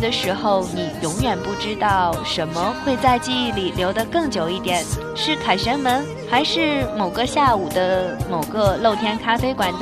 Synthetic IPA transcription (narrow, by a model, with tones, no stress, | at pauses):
d̪ə˩ʂɻ̩˧˥xo˧ʊni˨˩˦jʊ˧˥ŋɥɛ˨˩npu˥˩ʈ͡ʂɻ̩˥t̪ɑ˥˩ʊʂə˧˥nmə˧xwe˥˧ɪt͡sa˥˧ɪt͡ɕi˥˧i˥˩li˨˩ljo˧˥ʊd̪ə˧kɤ˥˩ŋt͡ɕjo˨˩ʊi˥˩t̪jɛ˨˩˦n | ʂɻ̩˥˩kʰa˨˩ɪɕə˧˥nmə˧˥n | xa˧˥ɪʂɻ̩˥˩mo˨˩ʊɡə˦ɕja˥˩u˨˩d̪ə˦mo˨˩ʊɡə˧lo˥˩ʊt̪ʰjɛ˥nkʰa˥fe˥ɪkwa˧˥n